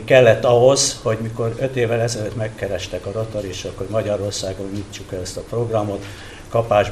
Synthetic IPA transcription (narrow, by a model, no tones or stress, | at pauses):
kɛlːɛt̪ːɒɦozho̞ɟmiko̞ɾøt̪eːvɛlɛzɛløt̪mɛkːɛɾɛʃt̪ɛkɒɾot̪oɾiʃokho̞ɟmɒɟɒɾo̞rsaːɡo̞nːit͡ʃːukɛløst̪ɒpro̞ɡrɒmo̞t̪ | kɒpaːʒ